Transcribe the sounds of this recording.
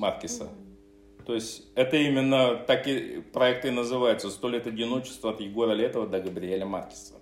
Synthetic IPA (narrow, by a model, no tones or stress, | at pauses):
markʲɪsə̰ | t̪o̞ɪsʲtʲɛt̪əimʲɪnːət̪akʲɪpɾɐɛk̚t̪ɨnəzɨvajʊt̪səst̪olʲet̪ɐdʲɪno̞t͡ɕɪ̥st̪vəɐt̪jɪɡo̞ɾəlʲɛt̪əvəd̪ɐɡəbɾʲɪelʲəma̰rkʲɪ̥sə